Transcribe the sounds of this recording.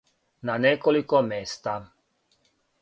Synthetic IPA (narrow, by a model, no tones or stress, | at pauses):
nanɛkɔlikɔmɛst̪a